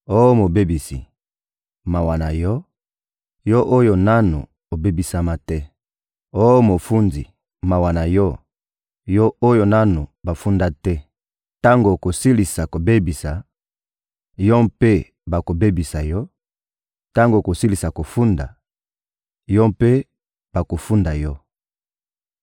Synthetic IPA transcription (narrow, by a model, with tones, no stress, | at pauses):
o˦o˦mo˨be˦bi˨sḭ˨ | ma˨wa˨na˨jɔ˦ | jɔ˦ʔo˦jo˨na˦nṵ˨ | o˨be˦bi˨sa˦ma˦tɛ˦ | o˦o˦mo˨fu˦ndḭ˨ | ma˨wa˨na˨jɔ˦ | jɔ˦o˦jo˨na˦nu˨ba˨fu˦nda˦tɛ˦ | ta˦ŋɡo˨ko˨si˦li˨sa˨ko˨be˦bi˨sa˨ | jɔ˦pe˦ | ba˨ko˨be˦bi˨sa˨jɔ˦ | ta˦ŋɡo˨ko˨si˦li˨sa˨ko˨fu˦nda̰˨ | jɔ˦pe˦ | b̥a˨ko˨fu˦nda˨jɔ˦